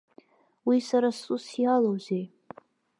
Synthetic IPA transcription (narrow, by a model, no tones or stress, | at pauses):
wisaɾasusjalowzej